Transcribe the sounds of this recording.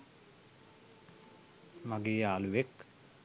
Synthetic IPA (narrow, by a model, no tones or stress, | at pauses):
maɡeːaːluʋek